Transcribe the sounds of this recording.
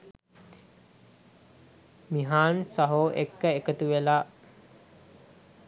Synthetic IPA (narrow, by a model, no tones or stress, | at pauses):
miɦaːnsɐɦoʔḛkːəekət̪uʋela